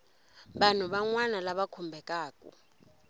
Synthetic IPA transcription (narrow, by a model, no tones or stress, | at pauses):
ɓan̤uɓaŋwanalaɓakʰumbʱɛkʼaːkʼṵ